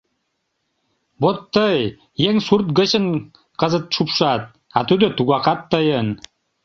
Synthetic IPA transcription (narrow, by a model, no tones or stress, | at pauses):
bot̪ːɤj | jeŋsurt̪̚ɡə̆ɕə̆n | qɤzɤ̆t̪̚ʃupʃɑt̪̚ | ɑt̪yd̪ø̆t̪uɡɑqɑt̪ːɤ̆jən